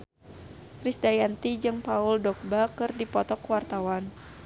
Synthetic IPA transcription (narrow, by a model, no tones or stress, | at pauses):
kɾisdajant̪id͡ʒɨŋpauldɔk̚bakɨrdipɔt̪ɔkwart̪awan